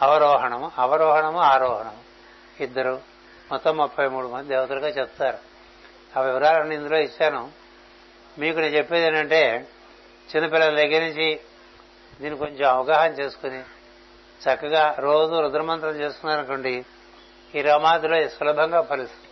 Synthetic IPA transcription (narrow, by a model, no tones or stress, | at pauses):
ɐʋɐɾɔːɦɐɳɐmɐʋɐɾɔːɦɐɳɐmuaːɾɔːɦɐɳɐm | id̪ːɐɾu | mɔt̪ːɐmːupʰːɐjmuːɽumɐnd̪id̪eːʋɐt̪ɐluɡaːt͡ʃep̚t̪t̪aːɾu | ɐʋiʋɐɾaːlɐnːiind̪ulo̞ːit͡ʃːaːnu | miːkunit͡ʃepːeːd̪eɳʈɐɳʈe̞ː | t͡ʃinːɐpilːɐleɡiniɲt͡ʃi | d̪iːniko̞ɲt͡ʃemɐʋɐɡaːɦɐmt͡ʃe̞ːsu̥kuni | t͡ʃɐkːɐɡaːɾo̞ːd͡ʒuɾud̪ɐɾɐmɐnt̪ɾɐmt͡ʃe̞ːst̪unːaːɾɐnkɐɳɖi | iːɾɐmaːd̪iloːsɐlɐbʱɐŋɡaːpɐɾist̪u